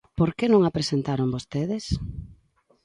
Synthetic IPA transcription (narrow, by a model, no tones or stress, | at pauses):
poɾkenõŋapɾesent̪aɾoŋbost̪eðes